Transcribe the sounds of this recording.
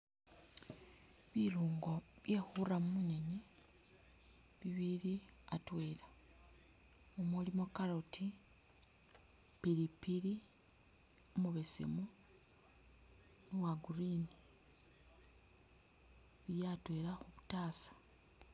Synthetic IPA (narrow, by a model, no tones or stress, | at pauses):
βiluːŋɡo̞βjexuramumunene | βiβiɾiatwe̞ːla | omulimokaɾoti | piɾipiɾi | omuβe̞sḛmu | nuwaɡuɾini | βijatwe̞ːɾaxuβutaːsḁ